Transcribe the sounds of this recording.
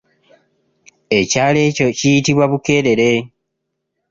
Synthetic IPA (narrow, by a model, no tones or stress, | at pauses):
e̞caːle̞ːco̞cijitiβwaβuke̞ːɾe̞ɾe̞